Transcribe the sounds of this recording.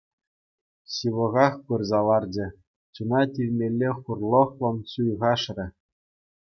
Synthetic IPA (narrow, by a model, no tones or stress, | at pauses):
ɕɯʋɤ̆ʁɑχpɯrzɑlˠɑrd͡ʑɘ̆ | t͡ɕunɑtʲilʲmʲelʲːeχurlˠɤ̆χlˠɤ̆nsujʁɑʂrʲɘ̆